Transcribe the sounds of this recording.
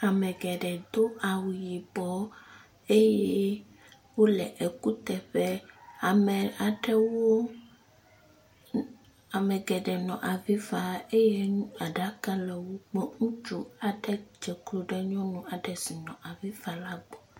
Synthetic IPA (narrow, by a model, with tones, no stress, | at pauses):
a˨mɛ̃˨ɡɛ˨ɖɛ˨d̪o˦a˨wu˨ji˨bɔ˨˦ | e˦jɛ˦ | wo˦lɛ˨ʔe˨ku˦t̪ɛ˨ɸɛ˦a˨mɛ˨a˨ɖɛ˦wo˦ | a˨mɛ˨ɡɛ˨ɖɛ˨nɔ̃˨ʔa˨vi˦fa˨e˦je˦nũ˦a˨ɖa˦ka˦lɛ˨wo˦ɡ͡bɔ˦ŋũ˦t͡ʃu˦a˨ɖɛ˦d͡ʒɛ˨klo˨ɖɛ˦ɲɔ̃˦nũ˦a˨ɖɛ˨si˨nɔ̃˨ʔa˨vi˦fa˨la˦ɡ͡bɔ˨